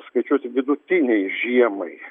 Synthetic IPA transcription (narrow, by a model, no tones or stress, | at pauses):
skɐɪt͡ʃʲuɔsʲɪʋʲɪd̪ʊt̪ʲɪnʲɛɪʒʲiɛmɐɪ